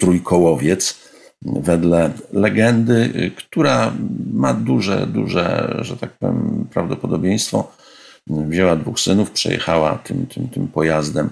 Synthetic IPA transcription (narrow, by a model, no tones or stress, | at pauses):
t̪ɾujkʰɔwɔvʲjɛt̪s | vɛd̪lɛlɛɡɛnd̪ɘkt̪uɾamad̪uʐɛ̰d̪ṵʐɛ̰ʐɛt̪ak̚pɔvʲjɛ̰mpɾavd̪ɔpɔd̪ɔbʲjej̃st̪fɔ | vʑewad̪vuxsɘnufpʂɛ̰jɛ̰xawa̰t̪ɘmt̪ʰɘmt̪ɘmpɔjazd̪ɛm